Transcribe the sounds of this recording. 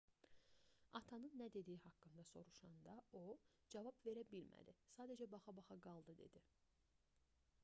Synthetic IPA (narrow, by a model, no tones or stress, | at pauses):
ɑt̪ʰɑnɯnːæd̪e̞d̪ijihɑkːɯnd̪ɑso̞̰ɾuʃɑnd̪ɑo | d͡ʒɑvɑbve̞ɾæbilmæ̰d̪isɑːd̪æd͡ʒæbɑχɑbɑχɑɡɑlˠd̪ɯd̪e̞̰d̪i